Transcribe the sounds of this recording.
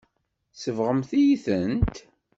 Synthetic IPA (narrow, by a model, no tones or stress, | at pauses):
səvʁəmθijiθənt̪